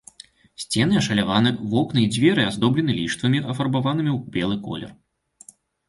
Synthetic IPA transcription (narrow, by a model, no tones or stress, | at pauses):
sʲt͡sʲɛnɨɐʂɐlʲavanɨvɔknɨid͡zʲvʲɛɾɨazd̪ɔblʲɛnɨlʲiʂt̪vɐmʲiʔɐfɐrbavanɨmʲiwbʲɛlˠɨkɔ̰lʲɛ̰r